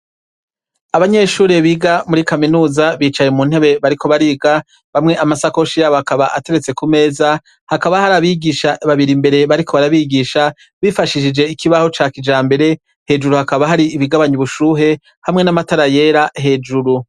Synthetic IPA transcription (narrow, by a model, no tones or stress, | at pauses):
aβaɲe̞ːʃuːɾeβiɡamuɾikaminuːzaβiːt͡ʃajemun̥he̞βe̞βaɾikʰo̞βaɾiːɡa | βamŋe̞ʔamasako̞ʃiɾaβakaβaʔate̞ɾe̞t͡se̞kume̞ːza | hakaβahaɾaβiɡiʃaʔaβaβiɾimbe̞ɾe̞βaɾikʰo̞βaɾaβiɡiːʃa | βifaʃiʃid͡ʒe̞ikiβaho̞t͡ʃaːkid͡ʒaːmbe̞ɾe̞ | he̞d͡ʒuɾuhakaβaɦaɾiːβiɡaβaɲiβuʃuːɦe̞ | hamŋe̞namataɾaje̞ːɾahe̞ːd͡ʒuɾu